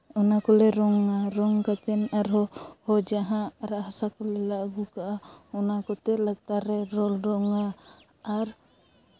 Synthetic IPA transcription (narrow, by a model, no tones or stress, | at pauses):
ɔnakɔlɛɾɔŋaɾɔŋkat̪ɛnaɾɦɔhɔd͡ʒaɦãɾaʔɦasakɔlɛlaʔɡukaʔaɔnakɔt̪ɛlat̪aɾɛɾɔlɾɔŋaː | ɾ